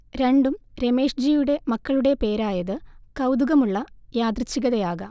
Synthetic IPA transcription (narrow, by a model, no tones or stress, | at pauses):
ɾe̞ɳɖumɾe̞me̞ːʂd͡ʑijuɽe̞mɐkːɐɭuɽe̞pe̞ːɾaːjɐðɨkɐwd̪uɣɐmuɭːɐjaːd̪rit͡ɕːiɣɐðɐjaːɣɐ